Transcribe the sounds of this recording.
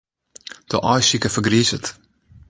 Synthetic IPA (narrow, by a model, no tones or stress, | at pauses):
d̥o̰ʔɔjsikəfəɡrizət